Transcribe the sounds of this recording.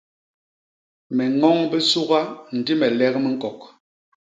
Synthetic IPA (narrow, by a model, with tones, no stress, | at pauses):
mɛ˨ŋɔ˦ŋbi˦su˦ɣa˦n̩˨di˦mɛ˨lɛ˦kmi˦ŋ̩˦kɔ˨k̚